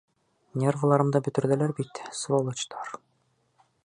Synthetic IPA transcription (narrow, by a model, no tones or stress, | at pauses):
nʲeɾʁɤ̆lˠɑɾɤ̆md̪ɑbɵ̆t̪ɵ̆ɾðælæɾbit̪svolˠɤ̆t͡ɕt̪ʰɑɾ